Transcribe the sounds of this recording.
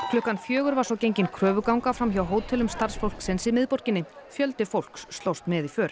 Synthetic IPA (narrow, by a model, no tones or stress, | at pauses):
kʰlʏhkːanfjœːɣʏɾvaɾsɔwcejɲcɪnkʰɾœːvʏkawŋkafɾamçawɦoːwt̪ʰɛlʏmst̪aɾ̥sfowlksɛnsɪmɪðpɔɾ̥cɪnːɪfjœlt̪ɪfowl̥ksːt̪lowst̪mɛðifœːɾ̥